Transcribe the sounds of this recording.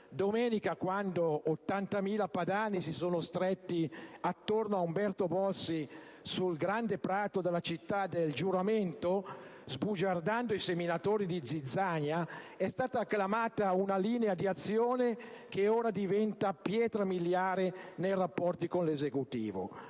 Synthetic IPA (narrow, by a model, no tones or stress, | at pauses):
d̪omɛːnikakwand̪oːt̪ːant̪amiːlapad̪aːnisisoːnost̪ɾet̪ːiat̪ːornoaumbɛrt̪obɔlsi | sulɡɾand̪epɾaːt̪od̪elːat͡ʃit̪ːad̪eld͡ʒuɾament̪ozbud͡ʒard̪and̪oiseminat̪oːɾid̪id̪zid̪zːaɲaɛst̪aːt̪aːkːlamaːt̪aunaliːnead̪iat̪sːjoːnek̟eoːɾad̪ivɛnt̪apjɛːt̪ɾamiljaːɾenejrapːɔrt̪ikonlezekut̪ḭːvo̰